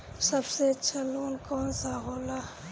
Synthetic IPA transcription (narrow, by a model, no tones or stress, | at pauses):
sɐbseɐtːʃʰaloːnkɔːnsaɦoːla